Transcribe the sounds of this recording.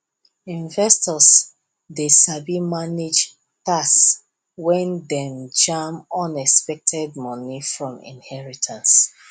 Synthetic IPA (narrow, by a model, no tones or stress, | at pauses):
ĩnvɛstɔs | desabimaned͡ʒ | tas | wɛ̃ndɛ̃md͡ʒãmɔ̃nɛkspɛk̚tʰɛd̚mɔnifɹɔ̃mḭ̃nhɛɹitʰãns